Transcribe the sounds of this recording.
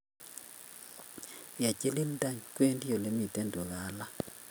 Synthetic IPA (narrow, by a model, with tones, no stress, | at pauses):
ja˨t͡ʃe˦li˦nda˦˨ɲkwe˦ndi˦jo˨le˦mi˨te˦ndo˨ɣa˨˦la˦